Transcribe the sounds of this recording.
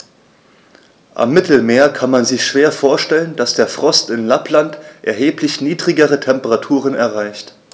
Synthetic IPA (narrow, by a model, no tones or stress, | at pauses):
ʔa̰mːɪtl̩meːɐkʰanmanzɪçʃv̥eːɐfoːɐʃtɛlənd̥asd̥eːɐfʁ̥ɔstɪnlaplantʔɛ̰ɐɦeːplɪçniːdʁɪɡəʁətʰɛmpəʁatʰuːʁənɛɐʁaɪçt